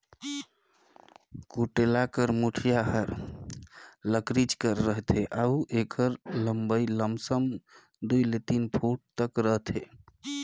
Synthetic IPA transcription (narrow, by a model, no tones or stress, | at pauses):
kuʈelakəɾmuʈʰijaɦəɾ | ləkɾit͡ʃkəɾːəɦt̪ʰeʔauʔekʰəɾləmbəjləmsəm | d̪ujlet̪inpʰuʈ̚t̪əkɾəɦt̪ʰe